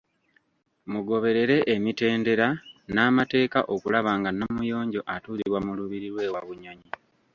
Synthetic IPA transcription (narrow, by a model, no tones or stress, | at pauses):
muɡo̞βe̞ɾe̞ɾe̞ʔːmite̞ːnde̞ɾanaːmate̞ːkaʔo̞kulaβaːŋɡanomujo̞ːɲɟo̞ʔatuːliβwamuluβiɾiɾwe̞ːwaβuɲaɲi